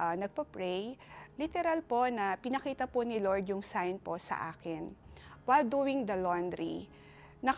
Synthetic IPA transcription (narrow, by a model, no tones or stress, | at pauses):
ʔnɐɡ̚pɐpɹɛjlit̪ɛɾɐlpo̞nɐpɪnɐkiːt̪ɐponɪloɹd̪jʊŋsajnposɐ̰ʔa̰ːkɪnwajld̪uːwɪŋd̪ɐlond̪ɾḭ | nɐ